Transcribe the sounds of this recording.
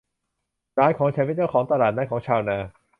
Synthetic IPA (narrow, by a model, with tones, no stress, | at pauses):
ɾaː˦˥jkʰɔː˩˦ŋt͡ɕʰaː˧˥˩pe˧˦˩t͡ɕa˥˩wkʰɔː˩˦ŋt̪a˧laː˨˩naː˦˥kʰɔː˩˦ŋt͡ɕʰaː˧wnaː˧